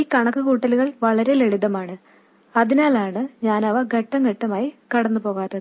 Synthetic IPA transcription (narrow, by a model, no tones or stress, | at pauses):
iːkɐɳɐkːɨkuːʈːɐluɣɐɭʋɐɭɐɾe̞leɻuðɐmaːɳɨ | ɐðinaːlaːɳɨɲaːnɐʋɐɡʱɐʈːɐŋɡeʈːɐmaːjikɐɽɐnːupo̞ːɣaːt̪ːɐðɨ